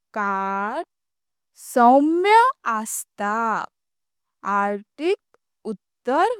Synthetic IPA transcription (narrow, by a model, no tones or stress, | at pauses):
kaɾ | sɔmjəast̪a | aɾʈik̚ | ut̪ːəɾ